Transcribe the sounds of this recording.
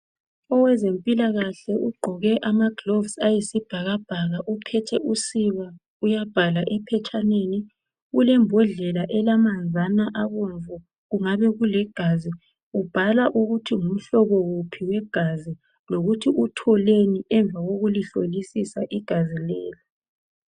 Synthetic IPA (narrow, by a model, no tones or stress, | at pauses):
ɔwɛzempʼilaɣaɬɛʔuɡ͡ǃʱɔɣɛʔamaɡ̥lovsajisib̥ʱaɣab̥ʱaɣaʔupʰɛtʰɛʔusiβa | ujab̥ʱalaʔɛpʰɛt͡ʃʼaneni | ɣulɛmbʱɔɮɛlaʔɛlamand͡zʱanaʔaɣuɱvʱɔ | ɣuŋaβɛɣulɛɡ̥ʱazi | ub̥ʱalaʔuɣutʰiŋum̩ɬɔɣɔɣupʰiɣwɛɡ̥ʱazi | loɣutʰiʔutʰɔleniʔɛɱb̪vʱaɣoɣuliɬolisisaʔiɡ̥ʱazilɛ̰ːlɔ